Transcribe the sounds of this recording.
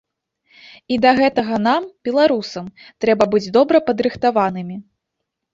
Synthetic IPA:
id̪ɐɣɛt̪ɐɣɐnambʲɛlˠaɾusɐmt̪ɾɛbɐbɨd͡zʲd̪ɔbɾɐpɐd̪ɾɨxt̪avanɨmʲi

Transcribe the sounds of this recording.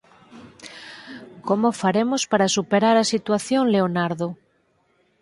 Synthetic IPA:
komofaɾemospaɾasupeɾaɾasit̪waθjoŋleonaɾðo

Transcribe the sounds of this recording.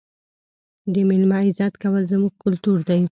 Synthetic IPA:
d̪əmɪlmɑɪzɑt̪kawəlzəmuɡ̚kʊlt̪uɾd̪aj

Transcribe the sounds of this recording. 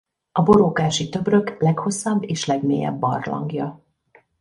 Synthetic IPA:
ɒbo̞ɾoːkaːʃit̪ø̞brø̞klɛkho̞sːɒbːeːʃlɛɡmḛːjɛ̰bːɒ̰rlɒ̰ŋɡjɒ

